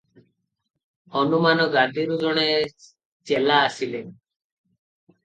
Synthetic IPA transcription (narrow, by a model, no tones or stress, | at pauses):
ɔnumanɔɡad̪iɾud͡ʒɔɽ̃e | t͡ʃelaːsilen